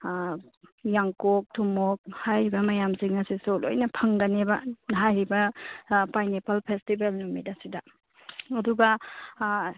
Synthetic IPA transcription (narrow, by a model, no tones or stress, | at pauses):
jaŋkok̚tʰumok̚hajɾibɐmɐjamsiŋɐsisolo̰jnɐpʰɐŋɡanebɐnɦajɾibɐpajnepʰalpʰestibelnumidasida | ɐduɡa